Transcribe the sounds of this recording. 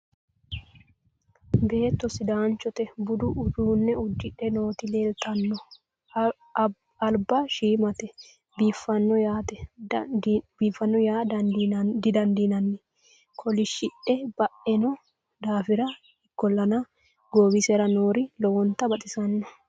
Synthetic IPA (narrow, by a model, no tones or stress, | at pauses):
be̞ːt̪ːɔsɪd̪aːnt͡ʃːɔt̪ɛbʊd̪ʊʔʊd̪uːnːɛʊd̪ːɪᶑɛno̞ːt̪ɪleːlt̪ɐnːɔ | ɐlbɐʃiːmɐt̪ɛ | biːfːɐnːɔjaːt̪ɛ | biːfːɐnːɔjaː | d̪ɪd̪ɐnd̪inɐnːɛ | kʰɔlɪʃɪᶑɛb̥ɐʔɛnɔ | d̪aːfɪɾɐ | ɪkːɔlːɐnɐ | ɡoːbɪsɛɾɐnoːɾɪlɔwɔnt̪ːɐbɐt̪ʼɪsɐnːɔ